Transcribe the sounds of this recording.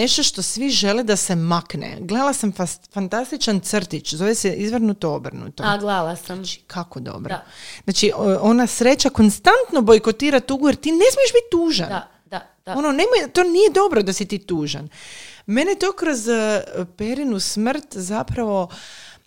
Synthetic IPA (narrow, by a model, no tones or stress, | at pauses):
neʃt̪o̞ʃt̪o̞sʋiʒe̞led̪ase̞maknḛɡled̪alˠasamffant̪ast̪it͡ʃant̪srt̪it͡ʃzo̞ʋesɛʔizʋrnut̪oo̞br̩nṵt̪oɡlalast͡ʃi̥kʰakod̪o̞̰bɾoznat͡ʃiʔo̞nasɾe̞t͡ɕako̞nst̪ant̪no̞bo̞jkot̪iːɾat̪uɡujeɾt̪iːne̞smijeʃbit̪̚ʲːuːʒan | ononemojt̪o̞ːnijed̪o̞bɾod̪asit̪iːt̪uːʒa̰nme̞net̪o̞ːkɾo̞zpe̞ɾinusmr̩t̪zapɾaʋo̞